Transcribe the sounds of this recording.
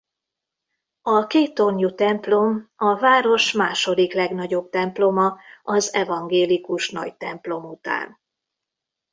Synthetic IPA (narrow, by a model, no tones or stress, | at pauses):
ɒkeːt̪ːo̞ɲjut̪ɛmplo̞mɒvaːɾo̞ʃmaːʃo̞d̪iklɛɡnɒɟo̞b̚t̪ɛmplo̞mɒɒzɛvɒŋɡeːlikuʃnɒ̰ɟt̪ɛmplo̞mut̪a̰ːn